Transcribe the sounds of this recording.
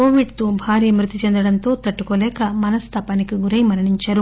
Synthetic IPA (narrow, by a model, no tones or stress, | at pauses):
koːʋiɖt̪ubʱaːɾiːmɾit̪it͡ʃend̪ɐɽɐnt̪o̞ːt̪ɐʈːukoːlɛːkɐmɐnɐst̪ʰaːpɐnikiɡuɾɐjmɐɾɐɳiɲt͡ʃɐɾu